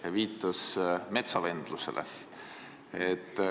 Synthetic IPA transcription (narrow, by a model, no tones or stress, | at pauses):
jɑviːt̪ːˑɑsme̞t̪sɑve̞nd̪̥lusḛlʔḛ | et̪ː